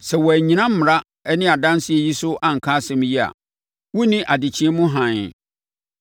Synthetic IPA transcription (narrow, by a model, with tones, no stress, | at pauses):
sɛ˨wɔ˨æ˨ɲĩ˨˦nã˦m̩˦m˨ɾa˦ | ɛ˦nɪ̃˦a˨dã˦n˦sɪ˦ɛ˨ji˦sʊ˦ʔã˦ŋ̩˨kʰa˦sɛ̃˦m˦ji˦a̰˨ | wu˦nĩ˦ʔa˨dɪ˨t͡ɕʰĩ˦mʊ̃˦ɦã˨ɲ˨